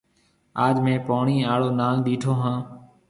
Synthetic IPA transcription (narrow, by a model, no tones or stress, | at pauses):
aːd͡ʒmẽːpoːɳĩːaːɭoːnaːlɗ̪iːʈʰoːɦãː